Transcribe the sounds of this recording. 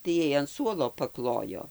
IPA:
tɐɪ ˈjɛɪ ɐn ˈsuɔlˠoː pɐˈklˠoːjoː

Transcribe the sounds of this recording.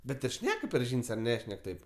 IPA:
ˈbʲɛt ɪr ˈʃʲnʲæːkɐ pʲɛr ˈʒʲiːnʲsʲ ɐr ˈnʲæːʃʲnʲɛk ˈtɐɪp

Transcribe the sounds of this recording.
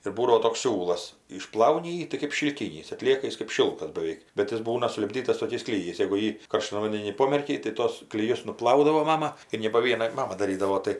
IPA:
ɪr ˈbuːdɐʋoː toːks ˈsʲuːlˠɐs ɪʃˈplˠɐʊnʲɪ ˈjiː tɐɪ kɜp ʃʲɪlʲˈkʲiːnʲiːs ɐtʲˈlʲiɛkɐ ˈjɪs kɜp ˈʃʲɪlˠkɐs bɐˈʋʲɛɪk bʲɛt ɪr ˈbuːnɐ sʊlʲɪbʲˈdʲiːtɐs toːˈkʲɛɪs klʲɪˈjɛɪs jɛɡʊ ˈjiː kɐrˈʃtɐn ʋɐnʲdʲɛˈnʲiː ˈpoːmʲɛrʲkʲɛɪ tɐɪ ˈtoːs klʲɪˈjʊs nʊˈplˠɐʊdɐʋoː ˈmɑːmɐ ɪr nʲɛ poː ˈʋʲiɛnɐ ˈmɑːmɐ dɐˈrʲiːdɐʋoː ˈtɐɪ

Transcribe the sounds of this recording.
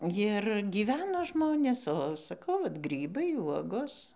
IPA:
ˈjɪr ɡʲiːˈʋʲæːnoː ˈʒmoːnʲeːs oː sɐˈkɐʊ ˈʋɐt ˈɡrʲiːbɐɪ ˈʋuɔɡoːs

